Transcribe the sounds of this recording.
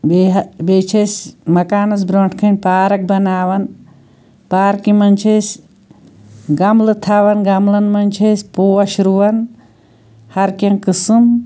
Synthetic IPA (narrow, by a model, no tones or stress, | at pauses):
bebeːt͡ʃʰesmɐkaːnɐs̬bɾoɳʈʰkʰɐnʲpaːɾɐk̚bɐnaːʋɐn | paːɾkimɐnʲt͡ʃʰes | ɡɐmlɨt̪ʰaʋɐnɡɐmlɐnmɐnʲt͡ʃʰesʲpoːwɐʃuɾuʋɐn | hɐɾkɐŋkɨsɨm